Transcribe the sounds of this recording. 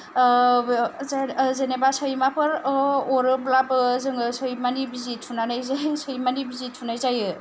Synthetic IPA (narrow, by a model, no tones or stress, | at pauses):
zenebasɔjmapʰɯɾɔɾɯblabɯzɯŋɯsɯjmanibizitʰːunanajzajsɯjmanibizitʰːunajzajɯ